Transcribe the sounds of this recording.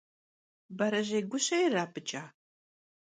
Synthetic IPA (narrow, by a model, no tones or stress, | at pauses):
bɐɾɐʑejɡʷʊɕɐjɪraːpʰɨt͡ʃʼaː